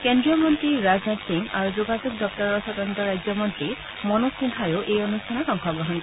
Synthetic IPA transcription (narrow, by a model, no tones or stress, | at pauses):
kendɹijɔmɔntɹiɹaznɔtsiŋa̰ɹuzuɡazuk̚dɔp̚tɔɹɔɹsɔtɔnt̪ɔɹajzjɔmɔntɹi | mɔnɔsiŋkʰajʊʔejonustʰanɔkɔŋxʰɔɡɹɔɦɔnt